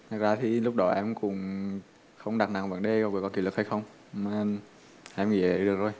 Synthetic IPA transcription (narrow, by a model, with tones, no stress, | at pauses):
t̪ʰɨ˨˩k̚zaː˧t̪ʰi˨˩lʊ˦˥k͡p̚ɗɔ˨˦ʔɛ˧mkʊ̰˧˥ŋ͡m | xə˧wŋ͡mɗa˨˩k̚na˨˩ŋvə̰˧˩nɗe˧kɔ˨˩vəː˨˩kɔ˨˧˥kḭ˧˨˦lɨ˨˩k̚ha˧jxə˧wŋ͡m | maː˨˩ | ʔɛ˧mŋḭ˧˨ə̰˨˧˦ɗɨ˨˩əkzo˨˩j